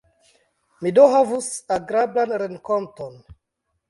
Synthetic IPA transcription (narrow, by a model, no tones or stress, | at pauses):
midoɦavusaɡɾablanɾeŋkonton